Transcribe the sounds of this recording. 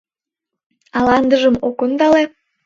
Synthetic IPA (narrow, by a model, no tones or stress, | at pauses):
ɑlɑnd̪əʒəmokond̪ɑle